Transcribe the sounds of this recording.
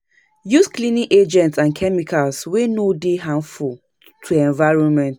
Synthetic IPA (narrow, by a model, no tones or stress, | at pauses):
jusklĩniked͡ʒɛ̃ntsãnkʰɛmikalswenodeɦãnful | tʰuɛ̃nvaɪɹɔ̃nmɛ̃nt